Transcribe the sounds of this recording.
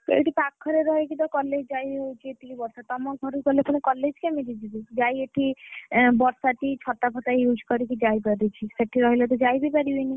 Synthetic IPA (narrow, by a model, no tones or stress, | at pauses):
t̪ḛʈipakʰːɔɾeɾɔɦekid̪ɔkɔled͡ʒd͡ʒajɦowt͡ʃʰieʈ̪ikibɔɾsat̪ɔmɔɡʱɔɾupɔlepɔɽ̃ikɔled͡ʒkemid̪id͡ʒ̪id̪id͡ʒajeʈʰibɔɾsaʈ̪it͡ʃʰɔt̪apʰɔt̪ajud͡ʒʱkɔɾikid͡ʒajpaɾit͡ʃʰiseʈʰiɾɔɦilɔt̪̬ɔd͡ʒajbipaɾibeni